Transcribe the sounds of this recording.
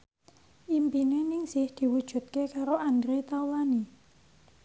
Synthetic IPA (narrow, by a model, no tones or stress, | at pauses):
ʔimpinenɪŋsɪhd̪̥i̤wud̥ʒ̥ṳt̪̚kekaɾoʔand̪ɾet̪awani